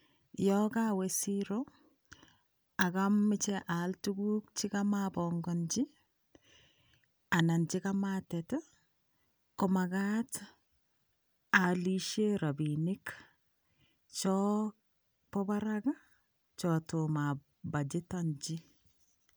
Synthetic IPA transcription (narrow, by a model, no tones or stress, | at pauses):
jɔkawɛsiɾo | akamːɪt͡ʃɛʔaltuɡuk̚t͡ʃikamabɔŋɡɔnd͡ʒi | anant͡ʃikamatɛtɛ | kɔmaɡat | aliʃeɾabinik | t͡ʃɔ | pɔbaɾaɡa | t͡ʃɔtoma | bad͡ʒitɔnd͡ʒi